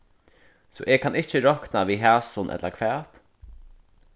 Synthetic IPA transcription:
sɔ̰ːʔɛkʰanɪht͡ʃɪɾɔhknaviːɦæːsʊnʔɛ̰t̪lakʰvæːt̪

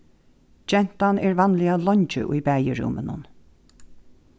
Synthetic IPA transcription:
d͡ʒɛn̥t̪anɛːɹvanlɪalɔɲt͡ʃə̰ʔujbæːjəɹṵːmənʊ̰n

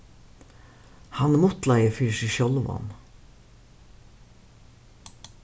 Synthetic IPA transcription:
hɑnmʊt̪lɑɪəfyːʃiːʃɔlʋɔ̰n

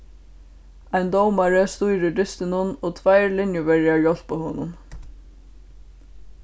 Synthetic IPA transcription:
aɪnd̪ɔwmaɹəst̪ujɾɪɖɪst̪ɪnʊnoːt̪ʰvajɹlɪnjʊvɛɹjaɹjɔl̥pahoːnʊn

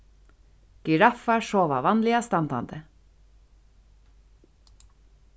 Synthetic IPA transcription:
ɡ̥ʏɾɑfɑʃoːʋɑ̰ʋɑnlɪɑst̪ɑnt̪ɑ̰nd̪ə

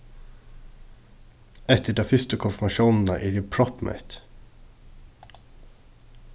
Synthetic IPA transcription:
ɛt̪əɖɑːfʏst̪əkʰʊnfmɑʃuːnn̩əʔiːɾɪpʰɹɔpmʔɛ̰t̪

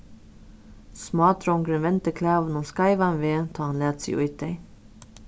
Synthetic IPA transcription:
smɑːt̪ʰɾɔŋɡɾənʋɛnt̪əkʰlæːʋn̩oːskɑɪʋɑnʋeːt̪ʰɑːɑnlæːt̪sḭʔʉ̰ʏt̪̚d̪eɪ

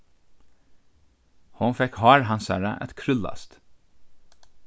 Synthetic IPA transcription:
hʊnfɛkhɑːɾɦɑnsæ̰ɾəʔɛ̰t̪kʰɾʏlːa̰st̪

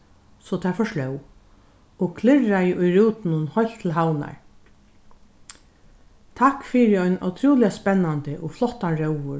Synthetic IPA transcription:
sɔt̪ʰafɔʂlœw | ɔkʰlɪrajʔʊjɾuːt̪ɪnʊnhɔjlt̪ʰɪlɦawna̰ɹ | t̪ʰakfiːɾɪɔjna̰wt̪ʰɾuːlɪjaspɛnːant̪ɪʔɔflɔht̪anɾœwʋʊ

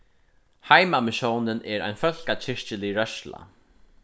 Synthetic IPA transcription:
hajmamɪʃownɪnɛɾa̰jnfœl̥kat͡ɕʰɪɹt͡ɕɪliɾœʃla̰

